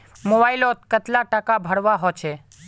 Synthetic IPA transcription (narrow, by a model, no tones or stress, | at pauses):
mobaːilot̪kət̪laʈakabʱəɽʋaɦot͡ʃʰɛ